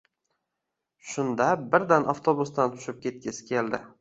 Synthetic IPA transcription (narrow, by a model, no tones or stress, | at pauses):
ʃʊnd̪abɪɾd̪anʔa̰ft̪ʰobʊst̪ant̪ʰʊ̥ʃɪp̚kʲʰe̞t̪̚kʲʰɪsɪ̥kʲʰe̞ld̪ɪ